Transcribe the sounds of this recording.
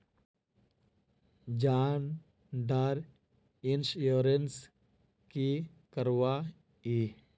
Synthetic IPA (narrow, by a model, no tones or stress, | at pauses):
d͡ʒaːn | ɖaɾ | insjoːɾens | ki | kəɾwa | i